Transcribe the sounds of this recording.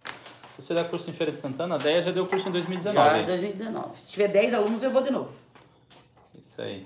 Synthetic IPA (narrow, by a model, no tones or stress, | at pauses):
svosed̪akuɾsʊẽfejɾɐd̪ɪ̥sɐ̃nt̪ɐ̃nɐd̪ɛjɐʒad̪ewkuɾsʊẽd̪ojzmiwid̪ɪzenɔ̃d̪ojzmiwid̪ɪzenɔ̰vɪst͡ʃivɛd̪ɛjzalũnʊziewvod̪ɪnovʊ | isa̰ḭ